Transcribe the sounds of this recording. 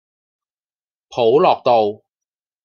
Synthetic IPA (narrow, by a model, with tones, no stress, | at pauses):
pʰo˨˥wlɔː˨˩k̚t̪o˨w